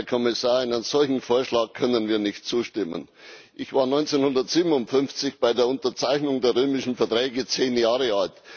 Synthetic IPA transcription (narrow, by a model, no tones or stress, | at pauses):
ɐkʰɔmɪsaːɐaɪnənəz̥ɔlçn̩foːɐʃlaːkʰœnənviːɐnɪçt̚t͡suːʃtɪmə̰n | ʔɪçv̥aːɐnɔʏnt͡senhʊndɐtz̥iːbmnʊntfʏnft͡sɪçb̥aɪdeːɐʊntɐt͡saɪçnʊŋdeːɐʁøːmɪʃn̩fɛɐtʁɛːɡət͡seːnjaːʁəalt